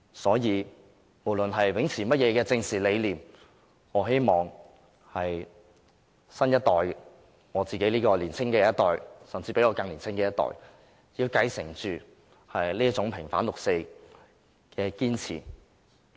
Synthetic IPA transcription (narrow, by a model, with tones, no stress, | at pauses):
sɔː˨˥jiː˨˧ | mo˨˩wlɵ˨nɦɐ˨jwɪ˨˥ŋt͡sʰiː˨˩mɐ˥t̚jɛː˨˧kɛː˧t͡sɪ˧ŋsiː˨le˨˧jliː˨˩m | ŋɔː˨˧ɦe˥jmɔː˨˩ŋ | hɐ˨j | sɐ˥njɐ˥t̪̚ɔː˨j | ŋɔː˨˧t͡siː˨ke˨˥liː˥kɔː˧liː˨˩nt͡sʰɪ˥ŋkɛː˧jɐ˥t̪ɔː˨jsɐ˨mt͡siː˧pe˨˥ŋɔː˨˧kɐ˧ŋliː˨˩nt͡sʰɪ˥ŋkɛː˧jɐ˥t̪ɔ̰ː˨˩j | jiː˧wkɐ˧jsɪ˨˩ŋt͡ʃyː˨ | hɐ˨jliː˥ɐ˥t͡sʊ˨˥ŋpʰɪ˨˩ŋfaː˨˥nlʊ˨k̚se˧j | kɛː˧kiː˥nt͡sʰḭː˨˩